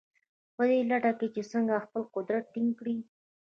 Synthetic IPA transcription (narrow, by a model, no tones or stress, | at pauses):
pəd̪elaʈaket͡ʃesəŋɡaxpəlqʊd̪ɾat̪̚ːiŋɡkɽi